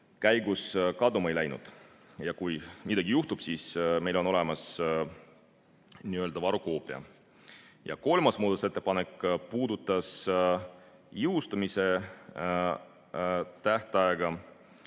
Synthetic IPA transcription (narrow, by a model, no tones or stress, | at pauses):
kæjɡuskɑd̪umejlæjnṵd̪̥ | jɑkujmid̪̥ɑɡ̥ijuht̪ub̥siːsme̞jlo̞no̞le̞mɑs | niø̞ld̪̥ɑvɑɾuko̞ːpːˑiɑ̰ | jɑ̰ko̞lmɑsmuːd̪̥t̪se̞t̪ːe̞pɑnekːpuːd̪ut̪ˑːɑs | jɯwst̪umise̞ | t̪æht̪ɑeɡ̥ɑ